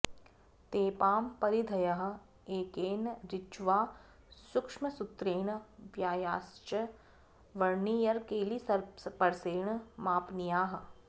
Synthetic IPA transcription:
t̪eːpaːmpɐɾid̪ʱɐjɐɦ̆ | eːkeːnɾɪt͡ʃʋaː | sʊkʂmɐsʊt̪ɾeːɳ̃ʋjaːjaːst͡ʃə | ʋɐɾnijɐɾkeːlisɐɾpɐɾseːɳ̃maːpnijaːɦɐ̆

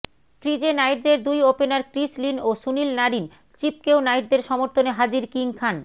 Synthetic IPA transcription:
kɾid͡ʑenajɾd̪eɾd̪ujopenaɾkɾislinoʃunilnaɾin | t͡ɕip̚kewnajɖd̪eɾʃɔmoɾt̪ʰoneɦad͡ʑiɾkiŋkʰan

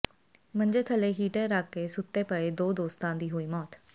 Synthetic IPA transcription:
mənd͡ʒeːt̪ʰəleːɦiːʈẽːɾaːkːeːsʊt̪ːeːpəeːd̪oːd̪oːst̪ãːd̪iːɦoːiːmɔːt̪

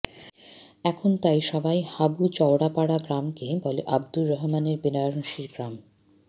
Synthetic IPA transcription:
ɛkʰont̪ajʃɔbajhabut͡ɕɔwɽapaɽaɡɾamkebɔleʔab̚d̪ulɾɔɦmaneɾbinajoɾonʃiɾɡɾam

